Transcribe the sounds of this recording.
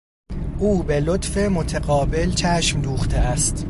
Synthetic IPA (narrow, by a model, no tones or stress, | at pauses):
ʔuːbe̞lot̪fe̞mo̞t̪ʰeɡɒːbe̞lt͡ʃʰæʃmd̪uːxt̪ʰeæst̪